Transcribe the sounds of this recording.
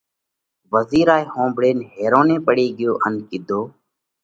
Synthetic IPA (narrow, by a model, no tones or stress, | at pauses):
ʋəziːɾaːiːhõːmbɽeːnɦeːɾõːnẽːpəɽiːɡɪjoːʔənkɪd̪ʱoː